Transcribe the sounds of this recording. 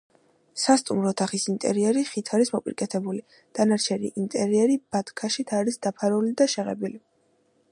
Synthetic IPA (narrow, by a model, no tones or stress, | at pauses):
sast̪ʼumɾɔt̪ʰaχisint̪ʼɛ̰ɾiɛɾiχit̪ʰaɾismɔpʼḭɾkʼɛt̪ʰɛbuli | d̪̥anaɾt͡ʃʰɛɾḭʔint̪ʼɛɾiɛɾib̥at̪ʰkʰaʃit̪ʰaɾisd̪apʰaɾulid̪aʃɛʁɛ̰bili